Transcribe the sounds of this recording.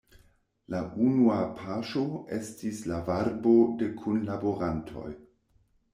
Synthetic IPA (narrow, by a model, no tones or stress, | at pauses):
laʔunuapʰaʃoe̞stislavaɾbo̞de̞kʰunlaboɾantʰo̞̰j